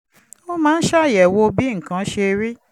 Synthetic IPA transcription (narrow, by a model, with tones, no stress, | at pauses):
o˦mãː˦n̩˦ʃa˦˨jɛ˨wo˧bi˦ŋ̩˨kã˨˧˦ʃe˧ɾi˦